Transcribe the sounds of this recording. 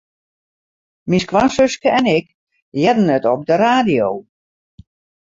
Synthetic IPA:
miskʋasøskəɛnɪk | jɛdən̩ətɔp̚dəraːdijoː

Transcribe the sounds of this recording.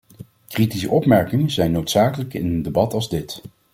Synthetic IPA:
kritisəʔɔpmɛɹkɪŋəzɛjnːowtsaːkələkɪnəndebɑtɑlzdɪt

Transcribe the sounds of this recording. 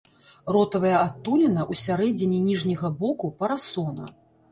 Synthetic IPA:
rɔt̪ɐvɐjɐat̪ːulʲinɐʔusʲaɾɛd͡zʲinʲinʲiʐnʲɐɣɐbɔkupɐɾasɔnɐ̰

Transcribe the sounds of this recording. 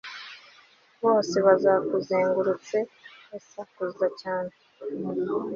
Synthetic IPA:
βo̞ːseβazakuzeːŋɡuɾut͡se̞esakuzacaːne

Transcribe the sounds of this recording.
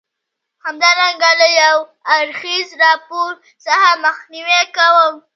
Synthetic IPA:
hamd̪ɑɾaŋɡaləjawaɾxizɾɑpoɾ | sahaməxniwekawəm

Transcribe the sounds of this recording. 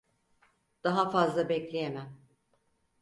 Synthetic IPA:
d̪̥aɦafazlˠabɛclʲejemæm

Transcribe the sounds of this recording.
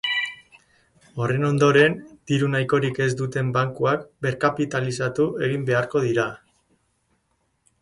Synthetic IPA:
o̞re̞no̞nd̪o̞ɾe̞nd̪̥iɾunajko̞ɾike̞zd̪ut̪e̞mbaŋkuakbe̞ɾkapit̪alisat̪ue̞ɣ̞imbe̞aɾko̞ð̞iɾa

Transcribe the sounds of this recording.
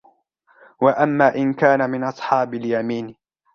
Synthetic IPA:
waʔamːaːʔɪnkaːnamɪnʔɑsˤħɑːbaljamiːn

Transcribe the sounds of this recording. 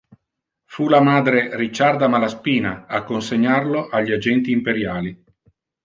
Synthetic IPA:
fulamaːd̪ɾerit͡ʃːard̪amalaspiːnaakːonseɲːarloʔaʎːiad͡ʒɛnt̪iːmpeɾjaːli

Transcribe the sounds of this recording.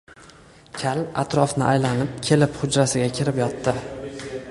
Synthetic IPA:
kʲʰala̰t̪ɾɒfnɪʔajlanɪp̚kʲʰe̞lɪphʊd͡ʒɾasɪɡʲakʲʰɪɾɪpjɒt̪ːɪ

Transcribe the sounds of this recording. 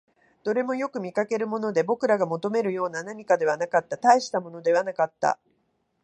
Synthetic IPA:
d̪̥o̞ɾe̞mo̞jo̞kɯ̟mʲikake̞ɾɯ̟mo̞no̞d̪e̞bo̞kɯ̟ɾaɡamo̞t̪o̞me̞ɾɯ̟jo̞ːnanaɲ̟ikad̪e̞βanakat̪ːat̪aiɕi̥t̪amo̞no̞d̪e̞βanakat̪ːa̰

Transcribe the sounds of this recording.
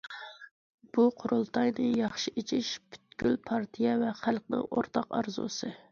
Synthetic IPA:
b̥uqʰʊɾulˠt̪ʰɑjnɨjɑχʃɨet͡ʃʰiʃby̥t̪̚kʲylpʰɑɾt̪ʰijɛvɛχælˠqnɨ̰ŋo̰ɾt̪ʰɑqɑ̰ɾzṵsɨ

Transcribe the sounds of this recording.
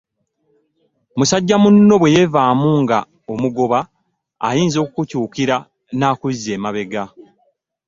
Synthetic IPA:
musaɟːamunːo̞βwe̞je̞vaːmuŋɡa | omuɡo̞βa̰ː | jiːnzo̞ːkukucuːkiɾa | naːkuze̞ːmaβe̞ɡa

